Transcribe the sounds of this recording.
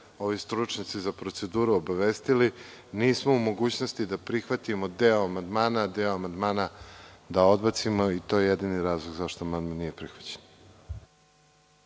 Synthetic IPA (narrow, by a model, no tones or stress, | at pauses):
o̞ʋist̪ɾut͡ʂɲat̪sizapɾo̞t̪se̞d̪uːɾuobaʋest̪iliniːsmoumo̞ɡuːt͡ɕno̞st̪id̪apɾixʋat̪imod̪eoamand̪maːnad̪eoamand̪maːnad̪ao̞d̪bat̪simoit̪o̞ːjejed̪iniɾaːzlˠoɡzaʃt̪oamand̪mannijepɾixʋḁt͡ɕe̥n